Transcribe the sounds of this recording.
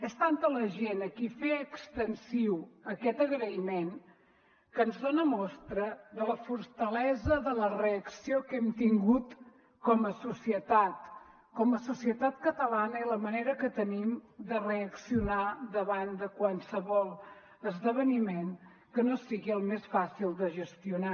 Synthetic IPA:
ɛst̪ant̪ələʒenəkifeəkst̪ənsiwəkɛt̪əɣɾəimen | kənzðonəmɔst̪ɾəðələfuɾt̪əlɛzəðələreəksiokɛmt̪iŋɡut̪ | kɔməsusiət̪at̪ | kɔməsusiət̪at̪kət̪əlanəiləməneɾəkət̪ənimd̪əreəksiunad̪əβand̪əkwansəβɔlˠ | əzðəβ̞ənimen | kənosiɣiəlˠmesfasilˠd̪əʒəst̪iuna

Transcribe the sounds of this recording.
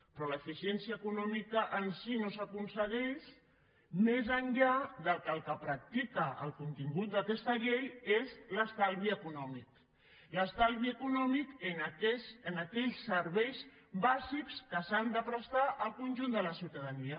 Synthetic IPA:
pɾɔləfisiɛnsiəːkunɔmikəʔənsinosəkunsəɣɛʃ | mezənʎaðəlˠkəlˠkəpɾak̚t̪ikəə̰lˠkunt̪iŋɡut̪̚d̪əkɛst̪əʎejezləst̪alˠβiəkunɔmik̚ | ləst̪alˠβiəkunɔmikenakɛsənəkɛʎsəɾβɛjz | bazikskəsand̪əpɾəst̪aʔəlˠkunʲʒund̪ələsiwt̪əðəniə

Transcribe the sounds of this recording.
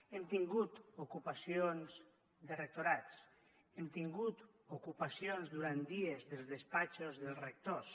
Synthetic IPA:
ɛmt̪iŋɡut̪okupasjonz | d̪erek̚t̪oɾat͡s | emt̪iŋɡut̪ | okupasjonzðuɾant̪d̪iezðelˠzðespat͡ʃozðelˠrek̚t̪os

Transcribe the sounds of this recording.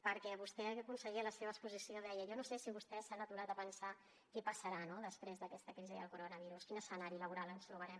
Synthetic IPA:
pəɾkɛβust̪ɛəkunsəɣiələseβəkspuzisioðɛjəjɔnosesiβust̪ɛsanət̪uɾat̪əpənsa | kɛpəsəɾanoðəspɾezðəkɛst̪əkɾiziðə̰lˠkuɾonəβ̞iɾuskinəsənaɾiləβuɾalənst̪ɾuβ̞əɾɛm

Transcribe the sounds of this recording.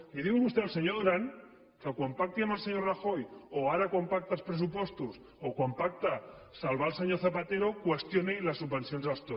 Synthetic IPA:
liðiɣunust̪ealseɲoðoɾaŋ | kakwampak̚t̪iamalˠseɲoraxojoaɾakwompak̚t̪alspɾes̬upwest̪us | okwampak̚t̪a | salβalseɲoθapat̪eɾokwest̪jonelasːubbensjonzalst̪o

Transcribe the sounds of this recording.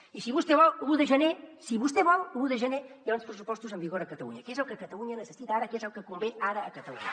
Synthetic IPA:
isiβust̪eβɔəɣuðəʒənesiβust̪eβɔɣuðəʒənejaunspɾəsupɔst̪uzəmbiɣoɾəkət̪əlṵɲəkezəlˠkəkət̪əluɲənəsəsit̪aɾəkezəlˠkəkumbeaɾəːkət̪əluɲə

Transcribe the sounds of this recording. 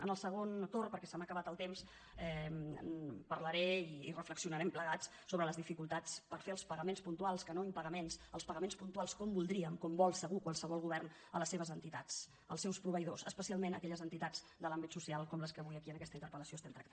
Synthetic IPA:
ə̰nəlˠsəɣ̞ont̪orpəɾkɛsɛməkəβat̪əlˠt̪ems | ɛ | pəɾləɾɛiːrəfləksiunəɾɛmpləɣat͡s | soβɾələzðifikulˠt̪at͡spəɾfeəlˠspəɣəmenspunt̪ualˠskənoimpəɣəmensəlˠspəɣəmenspunt̪ualˠskɔmbulˠd̪ɾiəŋkɔmbɔlˠsəɣukwalˠsəβɔlˠɣuβɛrn | ələsːeβəzənt̪it̪at͡s | ə̰lˠsɛwspɾuβəjðosəspəsialˠmenə̰kɛʎəzənt̪it̪ad͡z | d̪əlambit̪susialˠkɔmləskəβujəkiənəkɛst̪əint̪əɾpələsioəst̪ɛnt̪ɾə̰kt̪

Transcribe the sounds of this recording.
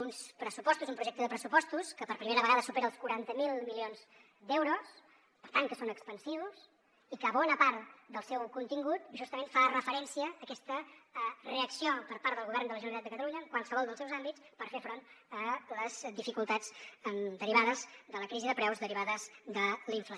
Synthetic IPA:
unspɾəsupɔst̪uzumpɾuʒɛk̚t̪əðəpɾəsupɔst̪uskəpəɾpɾimeɾəβəɣaðəsupeɾəlˠskuɾant̪əmilˠmilionz | d̪ɛwɾus | pəɾt̪aŋkəsonəkspənsiβus | ikəːβɔnəpaɾt̪d̪əlˠsɛwkunt̪iŋɡut̪ʒust̪əmenfarəfəɾɛnsiəːkɛst̪əreəksiopəɾpaɾt̪d̪əlˠɣuβɛrnd̪ələʒənənit̪at̪əkət̪əluɲəːŋkwalˠsəβɔlˠd̪əlˠsɛwzambit͡spəɾfefɾont̪ | ələzðifikulˠt̪ad͡zənd̪əɾiβaðəzd̪ələkɾiziðəpɾɛwzðəɾiβ̞aðəzd̪əliɱflə

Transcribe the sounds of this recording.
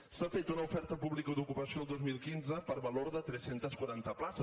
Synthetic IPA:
safet̪unəufɛɾt̪əpuβlikəd̪ukupəsioːlˠd̪ozmilˠkinzəpəɾβəloɾðət̪ɾɛsent̪əskwaɾant̪əplasə

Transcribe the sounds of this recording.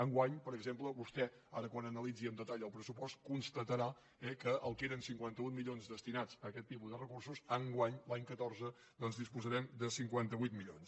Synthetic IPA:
əŋɡwaɲpəɾəɡzempləβust̪ɛ | aɾəkwanənəlˠid͡ziəmd̪ət̪aʎəlˠpɾəsupɔst̪̚kunst̪ət̪əɾa | ɛkəʔəlˠkeɾənsiŋkwant̪əβujt̪miʎonzðd̪əst̪inat͡səkɛt̪ːipuzðərəkursuzəŋɡwaɲlaɲkət̪ɔrzə | d̪ɔnzðispuzəɾɛmd̪əsiŋkwant̪əβujt̪miʎons

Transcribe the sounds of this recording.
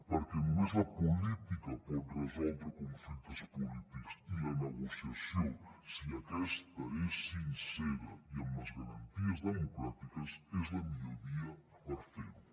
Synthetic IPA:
pɐɾkenũmezɐpulit̪ikɐpɔðrezɔlˠd̪ɾkõɱflit̪ɐspulit̪ikʊ̥siɐneɣosjɐsõwsiɐkɛst̪ɐesinsɛɾɐiãmɐzɣɐɾɐ̃nt̪iɐzðemokɾat̪ikɐsɛzðɐmiʎoɾiɐ | pɐɾfeɾ

